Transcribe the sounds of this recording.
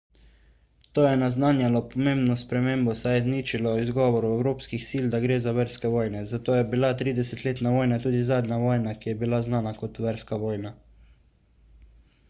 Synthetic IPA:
t̪oːjɛnaznaːnjalɔpɔmẽːmbnɔspɾɛmeːmbɔsajɛzniːt͡ʃilɔizɡɔːʋɔɾuɛwɾoːpskixsiːld̪aɡɾeːzaʋɛɾskɛʋɔːjnɛzat̪oːjɛbilat̪ɾiːd̪ɛsɛt̪leːt̪naʋɔːjnat̪uːd̪izaːd̪naʋɔːjnakijɛbilaznaːnakɔt̪ʋɛɾskaʋɔːjna

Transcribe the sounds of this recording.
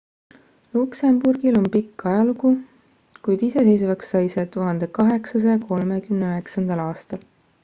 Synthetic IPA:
luksemburɡ̥ilo̞npikːɑjɑluku | kujd̪̥ise̞se̞js̬uvɑksːɑjset̪uɦɑnd̪̥e̞kɑɦe̞ksɑsɑjɑko̞lme̞kymneøɦe̞ksɑnd̪̥ɑlɑːst̪ɑl

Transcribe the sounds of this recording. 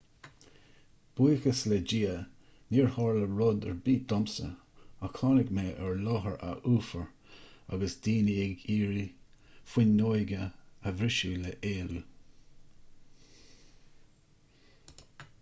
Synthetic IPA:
b̥ujkəslɛd͡ʒiːə | niːɹhɑɹləɹʊd̪ɛɹbiːd̪̥ɔmsə̰ | akʰɑːnɪɡmeːʔɛɹlɔɦəɹa̰ʔuːfəɹ | a̰ɡəsd̪iːniɪɡiːɹi | fwɪnːojɡəəvɾɪʃuːləʔeːlu

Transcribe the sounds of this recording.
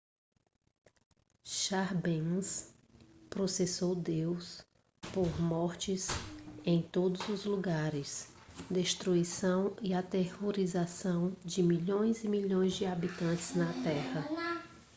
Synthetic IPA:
ʃaɾbẽs | pɾosesowd̪ews | poɾmɔɾt͡ʃɪsẽj̃t̪od̪ʊzʊzluɡaɾɪs | d̪eʃt̪ɾuisɐ̃w̃iat̪ehoɾizasɐ̃w̃d͡ʒɪmiʎõj̃zɪmiʎõj̃zd͡ʒɪabit̪ɐ̃nt͡ʃɪznɐt̪ɛhɐ

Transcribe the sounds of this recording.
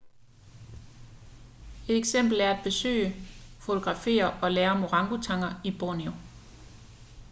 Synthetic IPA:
e̝d̥eɡ̥sem̰b̥l̩æɐæd̥̚b̥e̝sø̰ːəfo̝t͡sʰo̝ɡ̥ʁɑ̈fe̝̰ːɐʔɒ̽leːɐmoʁɑ̈ŋɡ̥ut͡sʰɑ̈ŋ̰ɐib̥onio

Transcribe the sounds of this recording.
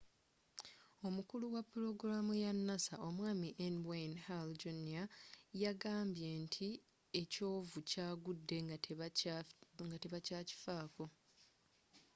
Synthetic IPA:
o̞mukuluwapːuɾo̞ɡɾamujanːasaʔo̞mwaːmiʔenbanhald͡ʒoniajaɡaːmbje̞ntʰi | e̞co̞ːvucaːɡudːe̞ | ŋɡateβacaːci̥faːko̞

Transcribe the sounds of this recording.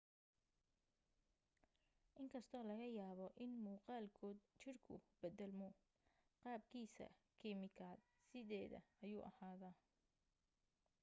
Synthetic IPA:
ʔɪŋkʰɐst̪ʰɔːlɐɣɐjaːβɔʔɪnmuːqɑːlkʰɔːd̪t͡ʃɪrkʰʊ̰b̥ɛd̪ɛlmʊ | qɑːb̚kʰiːsɐ̰kʰɪmɪkʰaːd̪ | sɪðɛːðɐ̰ɐjuːʔɐ̰haːðaː

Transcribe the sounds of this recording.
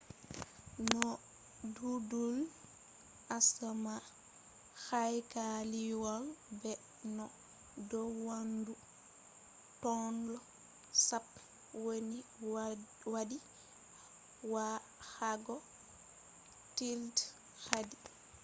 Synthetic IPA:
nɔ | dudul | ʔasama | xajkaliwalbɛ | nɔ | dɔwandu | tɔnlɔ | sap | woni | wadi | wa | haɡɔ | tild | hadi

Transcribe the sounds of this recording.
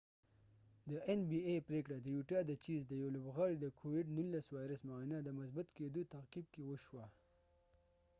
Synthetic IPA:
d̪əʔenbiepɾekɽad̪əjuʈɑd̪ət͡ʃizd̪əjolʊbɣɑɽid̪əkʰowɪɖnunlːaswɑjɾəsmainad̪əmʊs̬bat̪ked̪ot̪aqib̚kewəʃwa

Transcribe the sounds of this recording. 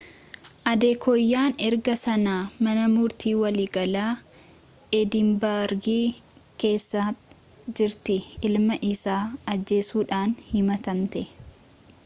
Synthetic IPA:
ʔɐd̪eːkʰɔjːaːnɛɾɡɐsɐnaːmɐnɐmʊɾt̪iːwɐliːɡɐlaː | ʔɛd̪ɪmbaːɾɡiː | ke̞ːsːaː | d͡ʒɪɾt̪ɪɪlmɐʔɪsaːɐd͡ʒːe̞ːsuːᶑaːnhɪmɐt̪ɐmt̪ɛ

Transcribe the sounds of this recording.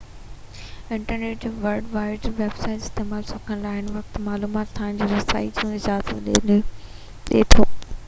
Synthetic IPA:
ɪ̃ɳʈəɾneːʈd͡ʑoːʋɐɾɖʋaːɪzʋeːbsaːɪʈɪst̪eːmaːlsʊkʰənlaːɪnʋɐkt̪maːluːmaːt̪t̪ʰːaːɪ̃ñ̆d͡ʑiːɾɐsa̰ːḭd͡ʑiũɪzaːzət̪ɗḛːnɪ | ɗḛːt̪ʰoː

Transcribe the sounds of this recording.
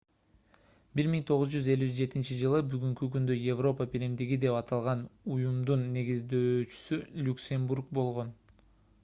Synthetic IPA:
biɾmiŋt̪ʰo̞ʁuzd͡ʒyze̞lʲyd͡ʒe̞t̪int͡ʃid͡ʒɯlˠɯbyɡyŋkykynd̪øje̞vro̞pəpiɾimd̪iɡid̪e̞pɑt̪ʰɑlˠʁɑnujumd̪unːe̞ɡizd̪øːt͡ʃy̥sylʲuksʲemburk̚bo̞lˠʁo̞n

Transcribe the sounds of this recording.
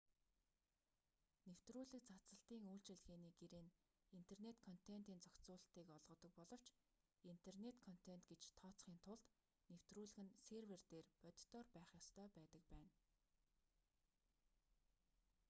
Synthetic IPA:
new̥t̪ruːɮɘ̆k̚t͡sat͡sə̆ɬt̪iːŋuːɬt͡ɕɘ̆ɮɣeːniːɡeɾeːn | in̥t̪ʰernet̪kʰɔn̥t̪ʰen̥t̪iːnt͡sɔkt͡sʊːɬt̪iːkɔɮʁɞ̆t̪ɞ̆k̚pɔɮɞ̆w̥t͡ɕ | in̥t̪ʰernet̪kʰɔn̥t̪ʰen̥t̪ɡet͡ɕt̪ʰɔːt͡sχiːnt̪ʰʊɮt̪ | new̥t̪ruːɮɘ̆ɣɘ̆nserwert̪eːrpœt̪ʲt̪ɔːrpæːχjɔst̪ʰœːpæːt̪ə̆k̚pæːn

